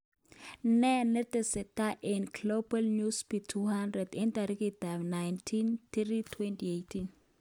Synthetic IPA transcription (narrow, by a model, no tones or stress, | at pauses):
nɛnɛt̪ɛsɛtaʔɛnklobalnuspitʰuhandɾɛdɛnt̪aɾikit̪amnajntʰint̪ritʰwɛntiejtʰin